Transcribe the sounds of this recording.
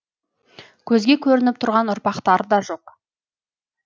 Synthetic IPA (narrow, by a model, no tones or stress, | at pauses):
kʲʰɵzɡʲe̞kʲʰɵɾɪnɪp̚t̪ʰʊɾʁɑnʊɾpɑqt̪ɑɾəd̪ɑʒo̞q